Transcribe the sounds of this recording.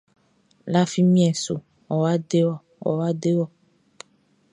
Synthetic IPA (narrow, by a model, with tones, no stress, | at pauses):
la˦fi˦mĩ˦ɛ˨so̰˨ | wɔ˨wa˦ɖe˦wɔ˨ | wɔ̰˨wa˦de˦wɔ˦